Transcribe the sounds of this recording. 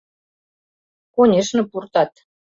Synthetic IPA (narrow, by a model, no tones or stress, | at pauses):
konʲeʃnɤ̆purt̪ɑt̪